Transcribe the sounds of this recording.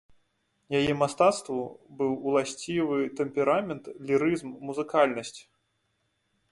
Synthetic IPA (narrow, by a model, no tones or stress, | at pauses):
jajɛmast̪at̪st̪vubɨwulˠasʲt͡sʲivɨt̪ɛmpʲɛɾamʲɛnt̪lʲiɾɨzmːuzɨkalʲnɐsʲt͡sʲ